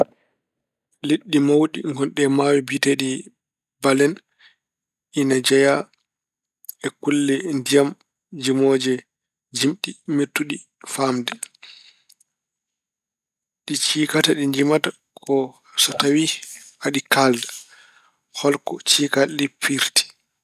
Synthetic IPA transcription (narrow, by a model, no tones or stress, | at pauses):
liɗːimawɗiŋɡɔnɗɛmawibiteɗi | balɛn | inad͡ʒɛja | ɛkulːɛndijam | d͡ʒimoːd͡ʒɛ | d͡ʒimɗimiɾtuɗi | famdɛ | ɗit͡ʃiːkataɗiɲd͡ʒimata | kʰɔ | sɔtawiʔaɗikalda | hɔlkɔt͡ʃiːkalipːiɾti̥